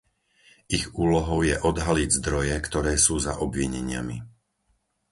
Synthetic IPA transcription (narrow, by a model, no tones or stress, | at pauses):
iɣuːlɔɦɔʊjɛʔɔd̪ɦaliɟzd̪ɾɔjɛkt̪ɔɾɛːsuːza̰ʔɔbʋiɲɛɲɪa̰mḭ